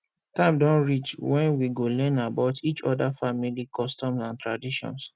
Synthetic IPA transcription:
tãɪ̃mdɔ̃nɹit͡ʃwɛ̃nwiɡolɛ̃nabaʊtʰit͡ʃɔ̰dafamilikʰɔstɔ̃msãntɹadiʃɔ̰̃ns

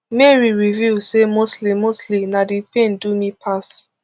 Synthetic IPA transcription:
mɛɹiɹivisemostlimostlinadipẽndumipʰas

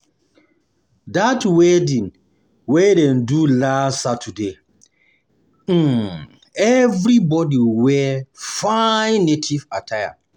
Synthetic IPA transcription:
datwɛdĩn | wɛdɛ̃ndulasatʰude | ɛvɾibɔdiwɛfãnːetʰivatʰaja̰

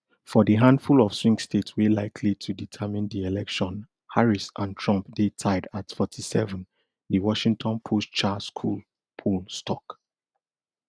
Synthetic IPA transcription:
fɔdiɦãndfulɔfswĩŋkstetswelaɪkʰlitʰuditʰɛmĩndielɛkʃɔ̃n | haɹisʔãntʰɹɔ̃mpdetʰaɪdatfɔtʰisɛvə̃n | diwɔʃĩŋtʰɔ̃npʰostt͡ʃaskʰul | pʰulstʰɔk

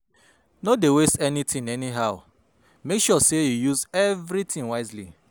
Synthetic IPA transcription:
nodewestɛnitʰĩŋɛniɦaʊ | mekʃɔsejujuzɛvɾitĩŋwaɪzlḭ

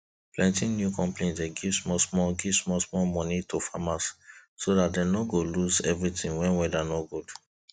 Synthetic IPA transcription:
plɛ̃ntĩnnjukɔ̃mplẽntdeɡivsmɔsmɔɡivsmɔsmɔlmɔnitofamassodatdenɔɡoluzɛvɹitĩŋwɛ̃nwɛdanɔɡud̥

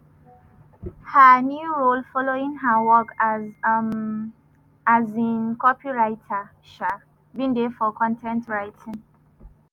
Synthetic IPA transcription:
hənjuɹolfɔloĩŋɦəwɔk | azĩnkɔpiɹaɪtʰa | ʃa | bĩndefɔkʰɔ̃ntʰɛ̃ntɹaɪtʰĩŋ

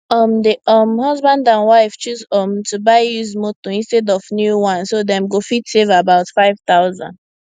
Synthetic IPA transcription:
ʌmdeʔʌmhʌzbãndãnwaɪft͡ʃuzɔmtubaɪjuzmotoĩnstɛdɔvnjuwãnsodɛ̃mɡofitsevabaʊtfaɪv̥t̪aʊzã̰nd

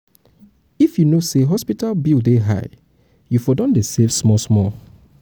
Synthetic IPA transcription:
ifjunoseɦɔspitalbildeɦa̰ɪ | jufɔdɔ̃ndesevsmɔsmɔ

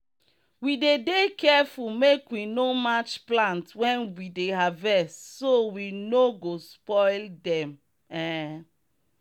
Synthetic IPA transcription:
widedekɛfulmekwinomat͡ʃplãntwɛ̃nwideɦavɛstsowinoɡospɔɪldɛ̃m | ɛ

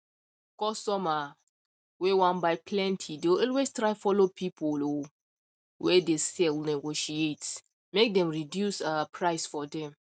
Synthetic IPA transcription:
kɔstɔma | wewãnbaɪpʰlɛ̃ntʰideɔlwestɹaɪfɔlopʰipʰolo | wɛdesɛlnɛɡoʃiet | mek̚dɛ̃mɹidjusapʰɹaɪsfɔdɛ̃m

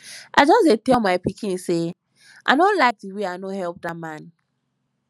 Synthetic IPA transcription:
ʔad͡ʒɔsdetɛlmaɪpikĩnse | ʔa̰ɪnolaɪk̚diweanohɛlp̚damãn

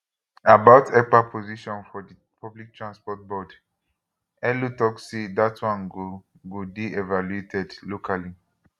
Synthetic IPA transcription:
abaʊtʰɛk͡papʰoziʃɔ̃nfɔdi | pʰɔblik̚tʰɹãnspɔt̚bɔd | ɛlutɔksedatwãnɡo | ɡodiɛvaluetʰɛdlokali

